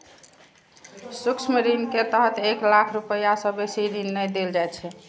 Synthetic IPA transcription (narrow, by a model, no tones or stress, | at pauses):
sukt͡ʃʰməɾinket̪əɦət̪eklakʰɾupəjasəbesiɾinːəjd̪eld͡ʒajt̪t͡ʃʰɛ